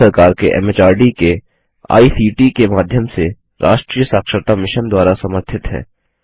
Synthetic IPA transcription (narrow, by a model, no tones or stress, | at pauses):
ɐɾkaːɾkeʔɛ̰ːmeːt͡ʃaːɾɖike | a̰ːisiːʈikemaːd̪ʱjəmse | ɾʔaːʃʈɾiːjəsaːkʃəɾt̪amɪʃənd̪waːɾasɐməɾt̪ʰɪt̪ɦɛ̰ː